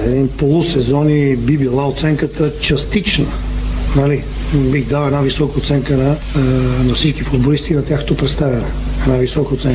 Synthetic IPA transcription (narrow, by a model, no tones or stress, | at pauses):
ɛd̪inpolˠusɛzɔnibibilˠaot̪sɛŋkət̪ət͡ʃɐst̪it͡ʃn | nɐli | biɣd̪alˠɛd̪navisɔkəot̪sɛŋkənɐ | nɐfsit͡ʃkifʊd̪̚bolist̪inɐt̪ʲjaxnot̪opɾɛt̪st̪avʲɛnɛɛd̪navisɔkəot̪sɛŋkə